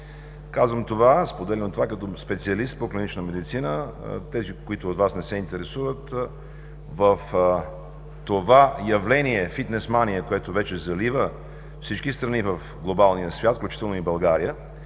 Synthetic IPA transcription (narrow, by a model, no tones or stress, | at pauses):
kazvəmt̪ovaspod̪ɛlɛnot̪ovakɐt̪ɔspɛt̪siɐlist̪̚poklinit͡ʃnəmɛd̪it̪sinət̪ɛzikoit̪ʊːt̪vasnɛsɛint̪ɛɾɛsuvət̪ | vəf | t̪ovajɐvlɛniɛfit̪nɛsmaniɛkoɛt̪ovɛt͡ʃɛzɐlivə | fsit͡ʃkist̪ɾɐnivəf | ɡlˠobalˠnijəsvʲjat̪fklʲut͡ʃi̥t̪ɛlˠnoibɐlˠɡaɾiə